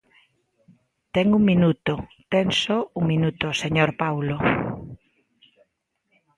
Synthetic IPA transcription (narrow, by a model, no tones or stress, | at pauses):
t̪ɛŋuŋminut̪ot̪ɛnsouŋmĩnut̪oseɲoɾpawlo